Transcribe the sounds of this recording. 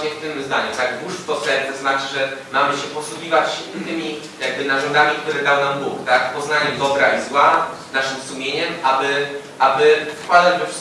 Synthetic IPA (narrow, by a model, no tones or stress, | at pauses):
ɛft̪ɘmzd̪aɲut̪aɡd̪uʂft̪ɔt̪sɛnt̪ɔznat͡ʂɘʐɛmamɘɕɛpɔsuɡʲivat͡ɕt̪ɘmʲi | jaɡ̚bɘnaʐɔnd̪amʲikt̪uɾɛd̪awnambukt̪akpɔznaɲɛd̪ɔbɾaizwanaʂɘmsumʲjeɲɛmʔabɘ | ʔabɘfkwad̪ad͡ʑd̪ɔʂ